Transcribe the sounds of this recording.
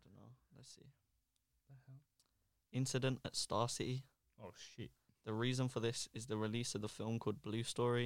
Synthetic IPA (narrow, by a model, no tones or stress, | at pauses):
d̥oʊno̰ʊlətsḭ̥ | hɛ | ɪ̃nsɪdə̃ntə̰tstɑːˑsɪʔi | oʊʃiʔ | ðəɹiːzə̃nfəðɪsɪzðəɹɪliˑsəvðəfɪlˠmkʰɔːlˠd̚blʉːstɔːɹi